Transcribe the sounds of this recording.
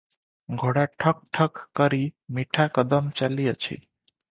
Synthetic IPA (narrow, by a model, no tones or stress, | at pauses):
ɡʱoɽaʈʰʌk̚ʈʰʌkːʌɾimiʈʰakʌd̪əmt͡ʃalijət͡ʃʰḭ